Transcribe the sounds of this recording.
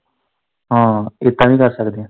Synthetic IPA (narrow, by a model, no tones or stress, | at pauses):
ɦãːɪt̪ːãʋĩːkəɾsəkd̪eãː